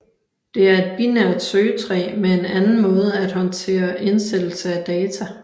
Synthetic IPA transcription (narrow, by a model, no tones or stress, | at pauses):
d̥e̝æɐe̝d̥̚b̥inæɐd̥søːt͡sʰʁɛ̰ːmeenænn̩mɔ̽ːð̞ˠəæd̥hɒ̽nt͡sʰe̝̰ːɐʔe̝nsed̥l̩səæd̥ɛːt͡sʰæ